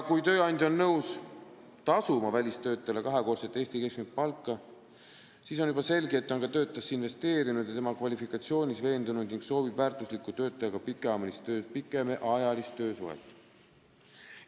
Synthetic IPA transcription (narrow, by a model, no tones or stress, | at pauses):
kujt̪ø̞ːɑnd̪ʲo̞nːɤws | t̪ɑsumɑvælʲist̪ø̞ːt̪ːˑɑɑle̞kɑɦe̞ko̞ːlset̪ːeːsʲt̪ike̞skmit̪̚pɑlkːˑɑ | siːs̬onjub̥ɑse̞lɡeet̪ːˑo̞nkɑt̪ø̞ːt̪ːˑɑsːinve̞st̪e̞ːɾinud̪̥jɑt̪e̞mɑkvɑlʲifikːˑɑt̪sio̞ːnʲisve̞ːnd̪unud̪niŋɡ̥so̞ːbibvæːrt̪ˑuslikːˑut̪ø̞ːt̪ˑːɑjɑɡ̥ɑpikːˑe̞ɑːmelist̪ø̞ːspikːˑe̞meʔɑjɑlist̪ːøːsṵḛt̪ːˑ